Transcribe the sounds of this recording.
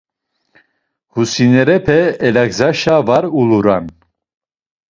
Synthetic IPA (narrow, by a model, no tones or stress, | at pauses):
husinɛɾɛpʰɛɛlaɡzaʃavaɾuluɾa̰n